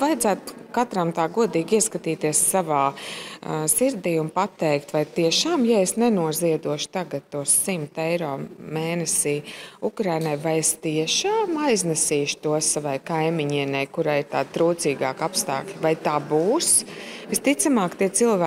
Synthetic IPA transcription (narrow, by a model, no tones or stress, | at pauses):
vajd̪zæːt̪kat̪ɾamt̪aːɡuɔd̪iːɡiɛskat̪iːt̪iɛssavaː | siɾd̪iːunpat̪ːɛjkt̪vajt̪iɛʃaːmjaesnɛnuɔziɛd̪uɔʃʊ̥t̪aɡat̪ːuɔssimt̪ɛjɾɔːmeːnɛsiːukɾajnajvajest̪iɛʃaːmajznɛsiːʃt̪uɔssavajkajmiɲiɛnɛjkuɾaːjiɾt̪aːd̪t̪ɾuːt̪siːɡa̰ːkapst̪a̰ːklʲvajt̪aːbuːsʋist̪it̪samaːkt̪iɛt̪silˠvæː